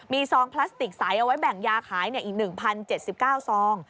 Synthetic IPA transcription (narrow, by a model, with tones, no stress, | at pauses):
miː˧sɔː˧ŋpʰla˦˥st̪i˨˩k̚saː˩˦jʔa˧wa˦˥jbɛ˨˩ŋjaː˧kʰaː˩˦jni˥˩ɐʔiː˨˩k̚nɯ˨˩ŋpʰa˧nt͡ɕe˨˩t̪̚si˨˩p̚kaː˥˩wsɔː˨˦˥ŋ